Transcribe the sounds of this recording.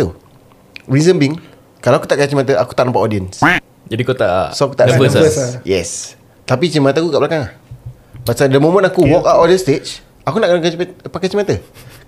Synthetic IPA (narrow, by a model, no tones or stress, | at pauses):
ṵ | ɹizəmbiŋ | kalawaku̥t̪aʔkat͡ʃimat̪̬əʔaku̥t̪aʔnampaodiəns | d͡ʒadikot̪aʔsoaku̥t̪aʔabəssjɛ̰s | t̪apit͡ʃimat̪əakukaʔblakaŋah | paʔsadəmõmə̃nakuwɔkaʔɔdənst̪et͡ʃ | akunaʔkankapakɛt͡ʃimat̪ə